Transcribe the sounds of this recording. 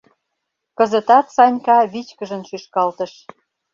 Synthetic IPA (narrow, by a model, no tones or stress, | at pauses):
kə̆zə̆t̪ɑt̪sɑnʲkɑβit͡ɕkə̆ʒə̆nʃyʃkɑlt̪ə̆ʃ